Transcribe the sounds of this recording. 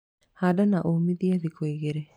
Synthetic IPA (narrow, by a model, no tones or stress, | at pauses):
haːdanaʔomiðjaðikwoiɣeɾe